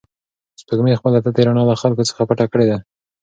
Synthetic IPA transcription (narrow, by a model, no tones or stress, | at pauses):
spəɡmexpəlat̪at̪eɾanɑləxalkot͡sə̥xapaʈakəɽed̪a